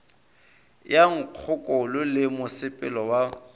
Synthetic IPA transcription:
jaŋ̩q͡χʰʊkʼɔlʊlɪmʊsɪpʼɪ̰lɔwa

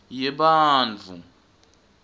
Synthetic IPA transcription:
jɛɓaːnd͡ɮʱu

